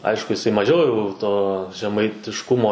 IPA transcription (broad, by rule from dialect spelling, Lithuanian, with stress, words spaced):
ˈɐɪʃkʊ jɪˈsɐɪ mɐˈʒʲɛʊ jɛʊ toː ʒʲɛmɐɪtʲɪʃˈkʊmoː